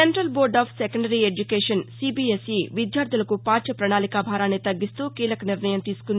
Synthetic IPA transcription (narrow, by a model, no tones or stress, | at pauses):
eɳʈɾɐlboːɾɖaːpʰsekɐɳɖɐɾied͡ʒukeːʂɐnsibiːesiʋid̪jaːɾt̪d̪ʱulɐkupaːt͡ʃɐpɾɐnaːlikaːbʱaːɾaːnet̪ɐɡːist̪uːkiːlɐkɐniɾnɐjɐmt̪iːsu̥kun